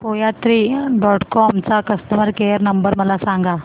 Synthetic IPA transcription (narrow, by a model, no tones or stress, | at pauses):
poːjat̪ɾiːɖɔːʈkɔːmt͡sakɐst̪əməɾkeːjəɾnɐ̃mbəɾmɐlasãːŋɡaː